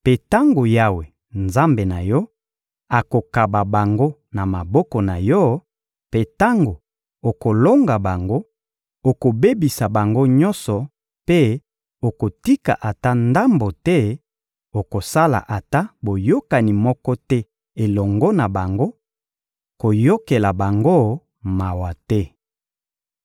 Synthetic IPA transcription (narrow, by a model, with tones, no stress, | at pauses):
pe˦ta˦ŋɡo˨ja˦we˨ | nza˦mbe˨na˨jɔ˦ | a˨ko˨ka˨ba˨ba˨ŋɡo˦ | na˨ma˨bɔ˦kɔ˨na˨jɔ˦ | pe˦ta˦ŋɡo˨ | o˨ko˨lo˦ŋɡa˨ba˨ŋɡo˦ | o˨ko˨be˦bi˨sa˨ba˨ŋɡo˦ɲɔ˦nsɔ˨ | pe˦ | o˨ko˨ti˦ka̰˨ʔa˨ta˦nda˦mbo˨tɛ˦ | o˨ko˨sa˦la̰˨ʔa˨ta˦bo˨jo˦ka˨ni˨mɔ˦kɔ˦tɛ˦ | e˨lɔ˨ŋɡɔ˦na˨ba˨ŋɡo˦ | ko˨jo˦ke˨la˨ba˨ŋɡo˦ | ma˨wa˨tɛ˦